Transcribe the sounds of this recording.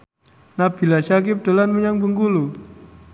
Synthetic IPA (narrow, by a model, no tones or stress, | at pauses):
nab̥i̤laʃak̬ɪp̚d̥olanməɲaŋbəŋɡulu